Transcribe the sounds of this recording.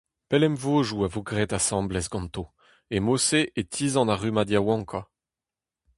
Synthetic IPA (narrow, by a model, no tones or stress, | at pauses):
pɛlɛmvoːʒuavoɡʁɛːt̪asɑ̃ːblɛsɡɑ̃nt̪o | emoseʔet̪ʰiːzɑ̃naʁymad̪jawɑ̃ŋkʰwa